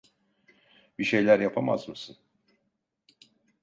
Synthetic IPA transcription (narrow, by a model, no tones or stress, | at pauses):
biʃe̞jlʲæɾjapʰama̰zmɯsɯn